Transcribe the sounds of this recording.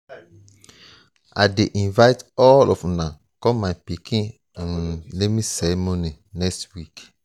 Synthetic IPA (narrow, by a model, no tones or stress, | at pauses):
a̰deʔĩnvajtɔlɔ̰fũnã | kɔ̃mapikĩ | ĩnlemĩsɛmõnĩ | nɛkstwik